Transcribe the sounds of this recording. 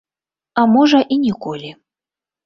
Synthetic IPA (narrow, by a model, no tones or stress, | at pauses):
amɔʐɐʔinʲikɔlʲi